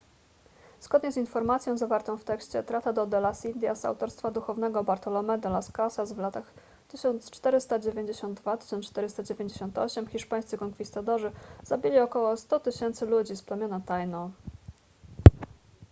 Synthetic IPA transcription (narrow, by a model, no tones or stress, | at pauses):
z̥ɡɔd̪ɲɛzinfɔɾmat̪sʲjɔ̃w̃zavaɾt̪ɔ̃w̃ft̪ɛkɕt͡ɕɛ̰t̪ɾat̪ad̪ɔd̪ɛlasind̪ʲjasa̰wt̪ɔɾst̪fad̪uxɔvn̪ɛɡɔbaɾt̪ɔlɔmɛd̪ɔlaskasasvlat̪ax | t̪ɘɕɔnt̪st͡ʂt̪ɛɾɘst̪ad͡ʑevʲjeɲd͡ʑeɕɔnd̪̚d̪vat̪ɘ̥ɕɔnt͡ʂt̪ɛɾɘst̪ad͡ʑevʲjeɲd͡ʑeɕɔnt̪ɔ̰ɕɛmxʲiʂpajssɘkɔŋkfʲist̪at̪ɔʐɘz̥abʲilʲiɔkɔwɔst̪ɔt̪ɘɕɛnt̪sɘlud͡ʑisplɛmʲjɔnat̪ajnɔ̃w̃